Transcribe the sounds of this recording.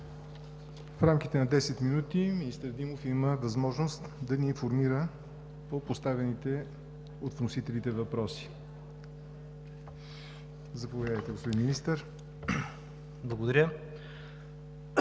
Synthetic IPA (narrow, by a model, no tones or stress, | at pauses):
fɾamk̟ʲit̪ɛnɐd̪ɛsɛt̪minut̪iminist̪əɾd̪imofiməvɐzmɔʒnost̪d̪ɐniːnfoɾmiɾə | popost̪avɛnit̪ɛ | ot̪vnosit̪ɛlit̪ɛvɐpɾɔsi̥ | zɐpovʲjad̪əjt̪ɛɡospod̪inminist̪əɾ | blˠɐɡod̪ɐɾʲə